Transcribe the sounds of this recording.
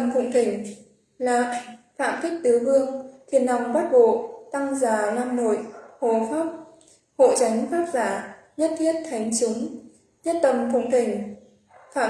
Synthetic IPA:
mkʊ̰˧˨wŋ͡mt̪ï˨˧˩ŋ̟ | laː˨˩fa̰ː˧˨mt̪ï˦˥k̟̚t̪ɨ˨˦vɨ˧əŋt̪ʰi˨˩ənːa˨˩wŋ͡mɓa˦˥t̚vo̰˧˨t̪a˧ŋzaː˧˩laː˧mno̰˧˨jho˨˩faː˦˥p̚ | ho̰˧˨t͡ɕa˨˦jŋ̟faː˦˥k̚zaː˧˩ | ɲə˦˥t̚t̪ʰi˦˥ət̚t̪ʰa˨˦jŋ̟t͡ɕʊ˨˦ŋ͡m | ɲə˦˥t̚t̪ə˨˩mkʊ̰˧˨wŋ͡mt̪ï˨˩ŋ̟ | faː˧˨

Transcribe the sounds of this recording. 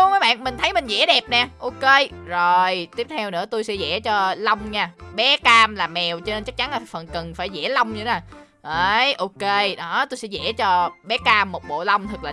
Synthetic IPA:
u˧məː˨˦ɓa̰ː˧˨nmï˨˩ŋ̟t̪ʰə˨˦jmï˨˩ŋ̟zɛ̰˧˥ɗɛ˨˩p̚nɛ˨˩ʔo˧ke˧zo˨˩jt̪i˦˥əp̚t̪ʰɛ˧wnɨ̰˧˥ət̪u˧jsɛ̰˧˥zɛ̰˧˥t͡ɕɔ˧lə˧wŋ͡mɲaː˧˩ɓɛ˨˦kaː˧mlaː˨˩mɛ˨˩wt͡ɕɔ˧ne˧nt͡ɕa˦˥k̚t͡ɕa˨˦nlaː˨˩fə˨˩nkə˨˩nfaː˧˩jzɛ̰˧˥lə˧wŋ͡mɲɨ˧˩naː˨˩ | ʔə˧˦jʔo˧ke˧ɗɔ˨˦t̪o˧jsɛ̰˧˥zɛ̰˧˥t͡ɕɔ˧ɓɛ˨˦kaː˧mːo˨˩ɓo̰˧˨lə˧wŋ͡mt̪ʰɨ˨˩k̚laː˨

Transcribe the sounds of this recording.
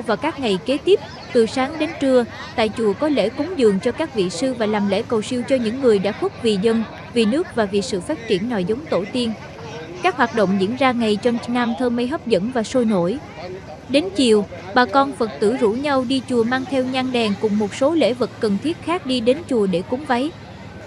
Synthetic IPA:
vaː˨˩kaː˦˥k̚ŋa˨˩jke˨˦t̪i˦˥p̚ | t̪ɨ˨˩saː˨˦ŋɗe˨˦nt͡ɕɨ˧ə | t̪a̰ː˧˨jt͡ɕu˨˩əkɔ˨˦lḛ˧˥kʊ˨˦ŋ͡mzɨ̰˨˩əŋt͡ɕɔ˧kaː˦˥k̚vḭ˧˨sɨ˧vaː˨˩laː˨˩mlḛ˧˥kə˨˩wsi˧əwt͡ɕɔ˧ɲɨ̰˧˥ŋːɨ˨˩əjɗa̰ː˧˥xʊ˦˥k̚vi˨˩zə˧n | vi˨˩nɨ˦˥ək̚vaː˨˩vi˨˩sɨ̰˧˨faː˦˥t̚t͡ɕi˧˩ənːɔ̰˧˨jzwŋ͡mt̪o˧˩t̪i˧ən | kaː˦˥k̚hwaː˨˩t̚ɗo̰˧˨wŋ͡mzḭ˧˥ənzaː˧ŋa˨˩jt͡ɕɔ˧ŋ͡mnaː˧mt̪ʰəː˧mə˧jɦə˦˥wp̚zə̰˧˥nvaː˨˩so˧jno̰˧˩j | ɗe˨˦nt͡ɕḭ˨əw | ɓaː˨˩kɔ˧nfə˨˩t̚t̪ɨ̰˧˩zṵ˧˥ɲa˧wɗi˧t͡ɕu˨˩əmaː˧ŋt̪ʰɛ˧wɲa˧ŋɗɛ˨˩nkʊ̰˨˩ŋ͡mːo˨˩t̚so˨˦lḛ˧˥vɨ˨˩tːə˨˩nt̪ʰi˦˥ət̚xaː˦˥k̚ɗi˧ɗe˨˦nt͡ɕu˨˩əɗe˧˩kʊ˨˦ŋ͡mva˨˦j

